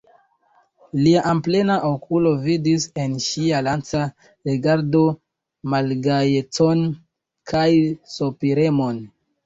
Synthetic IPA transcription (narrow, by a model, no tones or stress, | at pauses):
liaʔample̞naʔokulo̞vidise̞nʃialant͡sa | ɾiɡaɾdo̞ | malɡajet͡so̞n | kʰajsopiɾe̞mo̞n